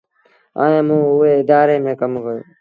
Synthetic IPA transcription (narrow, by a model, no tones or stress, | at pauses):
a̰ːẽːmũːʊɦeːɪd̪aːɾeːmẽːkəmkəjo̰ː